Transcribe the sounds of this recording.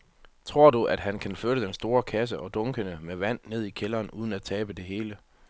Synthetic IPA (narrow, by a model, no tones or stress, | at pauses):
t͡sʰʁo̝ɐ̰d̥uʔæd̥ɦænkʰænføɐɾəd̥ensd̥o̝ːɐkʰæs̬əʔɒ̽d̥ɔ̽ŋɡ̥ənəmeʋæn̰ːe̝ð̞̰ˠikʰelɐːnʔuːð̞ˠən̩æ̥t͡sʰɛːb̥əd̥e̝ɦe̝ːlə